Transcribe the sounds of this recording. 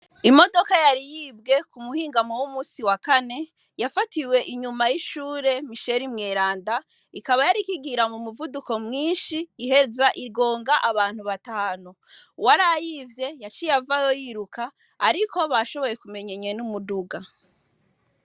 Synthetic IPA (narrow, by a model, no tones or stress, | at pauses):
imo̞do̞kajaɾijibɡe̞kumuhiːŋɡamowumuːsiwakane̞ | jafatiwe̞ʔiɲumajiʃuːɾe̞miʃe̞ɾimŋeːɾaːnda | ikaβajaɾikiɡiɾamumuvuduko̞mŋiːnʃiːhe̞zaʔiɾɡo̞ːŋɡaʔaβaːn̥huβataːnu | waɾajivje̞jat͡ʃijavajo̞jiɾukaː | ɾikʰo̞βaʃo̞βo̞je̞kume̞ɲeɲenumuduɡa